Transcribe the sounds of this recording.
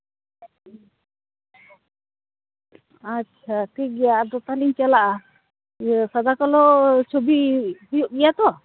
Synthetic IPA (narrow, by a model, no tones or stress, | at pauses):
at͡ʃʰakəɡɛjaʔad̪ɔt̪aliɲt͡ʃalaʔa | sad̪akɔlɔt͡ʃʰobihujuʔɡɛjat̪ɔ